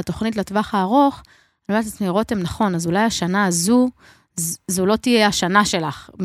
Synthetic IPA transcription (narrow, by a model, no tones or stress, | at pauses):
at̪o̞χnit̬latvaχaːʁo̞χ | lmat̪att͡smiʁo̞t̪emnaχo̞nazulajaʃanaːzu | zzulo̞t̪ijeaʃanaʃe̞laχ